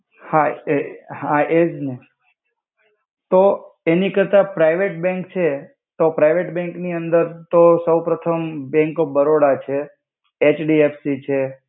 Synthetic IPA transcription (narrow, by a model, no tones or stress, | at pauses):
ha | hãʔed͡ʒne | t̪oenikəɾt̪apɾaiʋeʈbɛ̃ŋkt͡ʃʰe | t̪opɾaiʋeʈbɛ̃ŋkniənd̪əɾt̪osəwpɾət̪ʰəmbɛ̃ŋkobəɾoɽat͡ʃʰeː | t͡ʃɖiefsit͡ʃʰe